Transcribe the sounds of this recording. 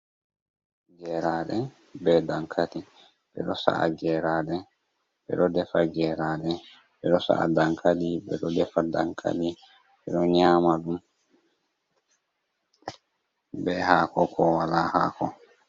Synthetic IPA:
d͡ʒɛɾaɗɛ | bɛdaŋkʰati | bɛ̰ɗɔsa̰ʔa̰d͡ʒɛɾaːɗɛ | bɛ̰ɗɔdɛfaɡɛɾaɗɛ | bɛɗɔsa̰a̰daŋkʰaɗibɛ̰ɗɔdɛfada̰ŋkʰa̰ɗi | bɛɗɔɲaːmaɗum | bɛhaːkɔkʰɔwalaha̰ːkɔ

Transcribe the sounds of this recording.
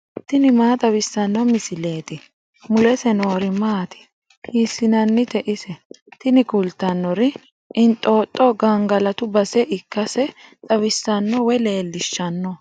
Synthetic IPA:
t̪ɪnɪmaːt̪ʼɐβɪsːɐnːɔmɪsɪle̞ːt̪ɪ | mʊlɛsɛno̞ːɾɪmaːt̪ɪ̥ | hiːsːɪnɐnːɪt̪ɛʔɪsɛ | t̪ɪnɪkʊlt̪ɐnːɔɾɪ | ɪnt̪ʼo̞ːt̪ʼːɔɡɐŋɡɐlɐt̪ʊbɐsɛʔɪkːɐsɛt̪ʼɐβɪsːɐnːɔwɛle̞ːlːɪʃːɐnːɔ

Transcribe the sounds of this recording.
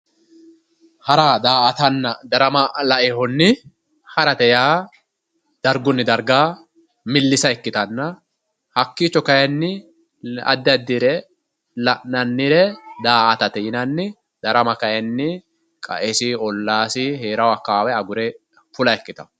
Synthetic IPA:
hɐɾaːd̪aːʔɐt̪ɐnːɐd̪ɐɾɐmɐlɐʔehɔnːɪ | hɐɾɐt̪ɛjaː | d̪̥ɐɾɡɔnːɪd̪ɐɾɡaː | mɪlːɪsɐɛkːɪt̪ɐnːɐ | hɐkːiːt͡ʃːɔkɐjɛnːɪ | ɐ̰d̪ːɪɐd̪ːɪɾɛ | lɐʔnɐnːɪɾɛd̪aːʔɐt̪ɐt̪ɛjɪnɐnːɪ | d̪̥ɐɾɐmɐkɐjɛnːɪ | kʼɐ̰ʔɛsɪɔlːaːsɪɦeːɾɐwɐkːaːwɛɐɡʊɾɛ | fʊlɐɛkːɪt̪ɐ

